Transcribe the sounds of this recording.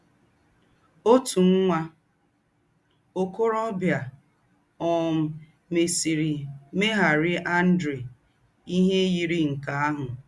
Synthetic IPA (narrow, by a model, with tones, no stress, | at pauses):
o˦tu˨ŋ̩˦ŋʷa˦ | o˦ko˦ɾɔ˦bja˨ | ɔ˨m̩˨ | me˨sɾi˨me˦ɦa˨ɾɪ˦ʔa˦n̩˦dɾe˨ | i˦ɦe˦ji˨ɾi˦ŋ̩˨ka˨a˦ɦʊ˨